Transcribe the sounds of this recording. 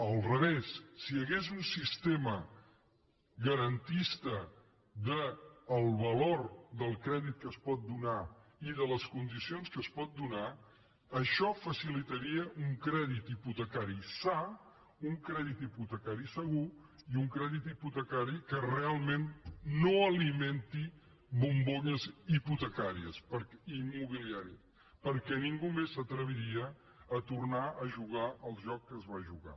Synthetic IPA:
əlˠrəβesːiəɣezunsist̪emə | ɣəɾənt̪ist̪ə | ðəːlˠβəloɾd̪əlˠkɾɛðit̪̚kəspɔt̪̚d̪unaiðələskund̪isionskəspɔt̪̚d̪una | əʃɔfəsilit̪əɾiəʔuŋkɾɛðit̪iput̪əkaɾisa | uŋkɾɛðit̪iput̪əkaɾisəɣ̞u | iuŋkɾɛðit̪iput̪əkaɾikərealˠmenːoəliment̪i | βumboʎəziput̪əkaɾiəspəɾimːuβ̞iliaɾi | pəɾkɛniŋɡumesət̪ɾəβ̞iɾiəː | t̪urnaʔəʒuɣ̞aəlˠʒɔkːəzβaʒuɣa̰

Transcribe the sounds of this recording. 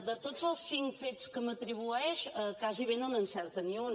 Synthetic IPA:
d̪ət̪od͡zəlˠsːiŋkfet͡skəmət̪ɾiβuɛʃəkaziβenənənsɛɾt̪əniun

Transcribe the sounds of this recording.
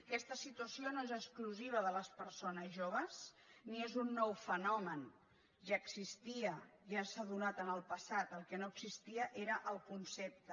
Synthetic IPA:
kɛst̪əsit̪uəsionoezəkskluziβ̞əðələspəɾsonəzʒoβ̞əz | niezunːɔwfənɔmən | ʒaəksist̪iəʒasaðunat̪ənəlˠpəsat̪əlˠkənoəɡsist̪iəʔeɾəʔəlˠkunsɛp̚t̪ə

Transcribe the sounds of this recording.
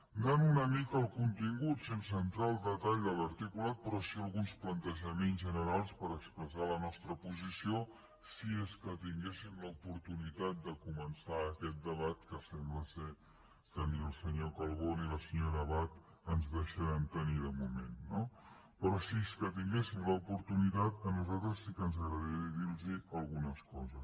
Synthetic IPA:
nanunəmikəːlˠkunt̪iŋɡut̪sensənt̪ɾaːlˠd̪ət̪aʎd̪ələɾt̪ikulat̪̚pɾɔsiəlˠɣunsplənt̪əʒəmenzʒənəɾalˠspəɾəkspɾəzalənɔst̪ɾəpuzisio | sieskət̪iŋɡesimləupuɾt̪unit̪at̪̚d̪əkumənsaəkɛt̪̚d̪əβat̪̚kəsɛmbləse | kəniəlˠsəɲokəlˠɣoniləsəɲoɾəβat̪ | ənzðəʃəɾɛmt̪əniðəmumenːo | pɾɔsieskət̪̬iŋɡesimləupuɾt̪unit̪at̪ənuzalˠt̪ɾəsːikənzəɣɾəðiðilˠziəlˠɣunəskɔzəs

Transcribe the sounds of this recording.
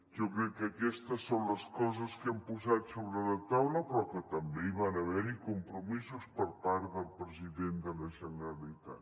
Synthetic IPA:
ʒɔkɾɛkːəkɛst̪əsːonləskɔzəskɛmpuzat̪soβɾələt̪awləpɾɔkət̪əmbeiβanəβɛɾikumpɾumizuspəɾpaɾðəlˠpɾəziðend̪ələʒənəɾəlit̪a̰t̪

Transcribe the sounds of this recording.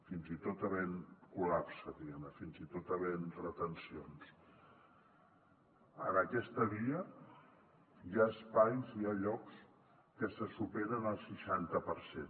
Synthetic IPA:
finzit̪ot̪əβenkulapsəðiɣɛmnəfinzit̪ot̪əβenrət̪ənsions | ə̰nəkɛst̪əβiə | jaəspajziaʎɔks | kəsəsupeɾənəlˠsiʃant̪əpəɾsḛn

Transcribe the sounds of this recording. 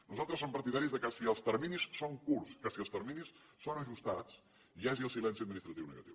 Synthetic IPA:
nuzalˠt̪ɾəsːompəɾt̪iðaɾizðəkəsiəlˠst̪əɾminisːoŋkurskəsiəlˠst̪əɾminisː | onəʒust̪at͡s | ʒaziəlˠsilɛnsiəd̪minist̪ɾət̪iwnə̰ɣə̰t̪iw

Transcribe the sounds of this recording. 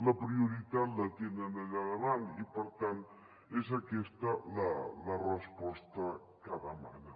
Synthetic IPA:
ləpɾiuɾit̪at̪lət̪enənəʎaðəβanipəɾt̪an | ezəkɛst̪ələlərəspɔst̪ə | kaðəma̰nə

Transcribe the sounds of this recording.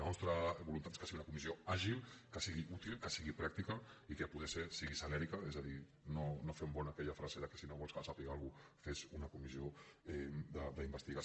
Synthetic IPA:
anɔst̪ɾəβulunt̪at̪e̥skəsiɣiunɐkumizioaʒilˠkəsiɣiʔut̪ilˠkəsiɣipɾak̚t̪ikəikəpuð̞esesiɣisalɛɾikəezaði | nonofɛmbɔnakɛʎafɾazeðəkə̥sinoβɔlˠskəsapiɣalˠɣufezunɐkumizioɛd̪əd̪əimbəst̪iɣa

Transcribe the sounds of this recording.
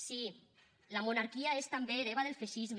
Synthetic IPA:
si | lamunaɾkiaest̪ambeɾeβ̞aðelfeʃizm

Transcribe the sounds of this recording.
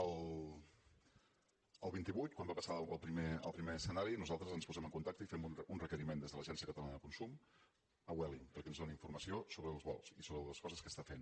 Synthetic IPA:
əlˠ | əlˠβint̪iβujt̪̚kwambapəsalˠpɾimeə̰lˠpɾimeəsənaɾinuzalˠt̪ɾəzənspuzɛməŋkunt̪ak̚t̪əifɛmununrəkəɾimend̪ezðələʒɛnsiəkət̪əlanəðəkunsum | əwɛlimpəɾkɛənzðɔniɱfurməsiosoβɾəːlˠzβɔ̰lˠsisoβɾəəskɔzəskəst̪afen

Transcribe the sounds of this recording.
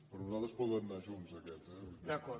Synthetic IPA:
pɾɔnuzalˠt̪ɾəspuðɾemnaʒunzəkɛɛd̪əkɔ

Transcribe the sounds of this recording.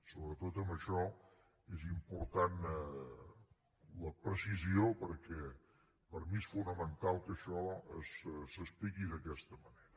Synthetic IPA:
soβɾət̪ot̪əmbəʃɔ | ezimpuɾt̪an | ləpɾəsiziopəɾkɛ | pəɾmiesfunəmənt̪alˠkəʃɔəssəsplikiðəkɛst̪əməneɾə

